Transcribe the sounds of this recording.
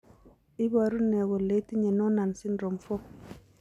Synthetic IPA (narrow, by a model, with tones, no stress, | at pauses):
i˦ba˨ɾu˦nːɛ˨ɡo˨le˨˦ti˦ɲɛ˨nɔ˦na˨nsi˦nɾo˨mfɔ˦